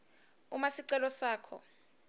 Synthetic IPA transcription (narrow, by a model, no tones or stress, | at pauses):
umasiǀɛlɔsaːkʰɔ̰